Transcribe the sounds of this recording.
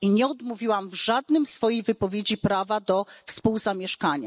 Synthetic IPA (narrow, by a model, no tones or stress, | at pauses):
iɲɛɔd̪muvʲiwamvʐad̪nɘmsfɔjejvɘpɔvʲjed͡ʑipɾavad̪ɔfspuwzamʲjɛʂkaɲa